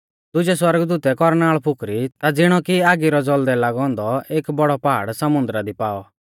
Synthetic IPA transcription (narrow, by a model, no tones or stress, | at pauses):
d̪ʊd͡ʒɛswɐɾəɡd̪uːt̪ɛkɔɾnaːɭpʰʊkɾit̪ad͡zɪɽ̃ɔkiaːɡiɾɔd͡zɔld̪ɛlaɡɔ̃ːnd̪ɔeːkbɔɽɔpaːɽsɐmʊ̃nd̪ɾad̪ipaːɔ